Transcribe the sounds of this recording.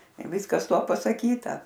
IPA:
ɪr ˈʋʲɪskɐs ˈtuɔ pɐsɐˈkʲiːtɐ

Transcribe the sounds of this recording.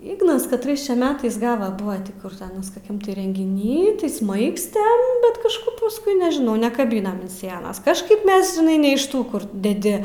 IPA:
ˈiːɡnɐs kɐtˈrɐɪs t͡ʃʲɛ ˈmʲæːtɐɪs ˈɡɑːʋɐ ˈbʊʋɐ tʲɪ ˈkʊr tʲɪ ˈɑːnɐs koːˈkʲɛm tʲɪ rʲɛŋʲɡʲɪˈnʲiː tɐɪ ˈsmɐɪksʲtʲɛm bʲɛt kɐʃˈkʊp pʊsˈkʊɪ nʲɛʒʲɪˈnɐʊ nʲɛkɐˈbʲiːnɐm ɐn sʲiɛnɐs kɐʃˈkɐɪp ˈmʲɛs ʒʲɪˈnɐɪ nʲɛ ɪʃ ˈtuː ˈkʊr dʲɛˈdʲɪ

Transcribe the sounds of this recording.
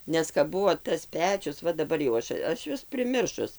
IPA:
ˈnʲɛs kɐp ˈbʊʋoː tɐs ˈpʲæːt͡ʃʲʊs ˈʋɐ dɐˈbɐr jɛʊ ˈɐʃ ˈɐʃ ˈjuɔs pʲrʲɪˈmʲɪrʃʊs

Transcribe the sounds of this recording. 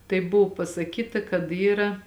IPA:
tɐɪ ˈbʊʋʊ pɐsɐˈkʲiːtɐ kɐt ˈiːrɐ

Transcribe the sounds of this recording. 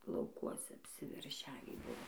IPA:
lˠɐʊˈkuɔsʲɛ ɐpʲsʲɪʋʲɛrʲˈʃʲæːʋʲiː ˈbʊʋoː

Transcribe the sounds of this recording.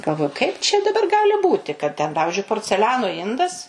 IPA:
ɡɐlˠˈʋoːjʊ kɐɪp t͡ʃʲɛ dɐˈbɐr ˈɡɑːlʲɪ ˈbuːtʲɪ kɐt tʲɛn ˈpɑːʋʲɪʒʲʊɪ poːrʲt͡sʲɛˈlʲæːnoː ˈɪndɐs

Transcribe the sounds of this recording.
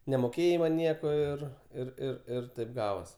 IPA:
nʲɛmoːˈkʲeːjɛɪ mɐn ˈnʲiɛkoː ˈɪr ɪr ˈɪr ɪr ˈtɐɪp ˈɡɑːʋoːs

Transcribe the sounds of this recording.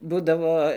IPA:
ˈbuːdɐʋoː

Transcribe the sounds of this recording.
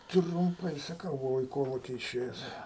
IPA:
trʊmˈpɐɪ sɐˈkɐʊ bʊˈʋɐʊ ɪ ˈkoːlˠʊkʲɪ ɪˈʃʲeːjɛs

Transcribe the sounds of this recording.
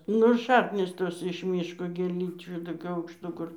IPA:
ˈnʊ ˈʃɑːknʲiːs ˈtoːs ɪʃ ˈmʲiːʃkoː ɡʲeːˈlʲiːt͡ʃʲuː toːˈkʲuː ɐʊkʃˈtuː ˈkʊr

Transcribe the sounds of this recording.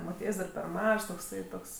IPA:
moːˈtʲiɛjsʲ dɐr pʲɛr ˈmɐʃs toːkˈsɐɪ ˈtoːks

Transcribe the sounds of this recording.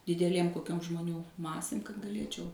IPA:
dʲɪdʲɛˈlʲeːm koːˈkʲoːm ʒmoːˈnʲuː ˈmɑːsʲeːm kɐt ɡɐˈlʲeːt͡ʃʲɛʊ

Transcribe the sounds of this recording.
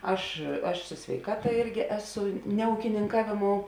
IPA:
ˈɐʃ ɐʃ sʊ sʲʋʲɛɪˈkɑːtɐ ˈɪrʲɡʲɪ ˈæːˌsʊ nʲɛ uːkʲɪnʲɪŋˈkɑːʋʲeːˌmoːʊ

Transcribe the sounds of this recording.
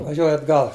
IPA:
ʋɐˈʒʲuɔjʊ ɐdˈɡɐlˠ

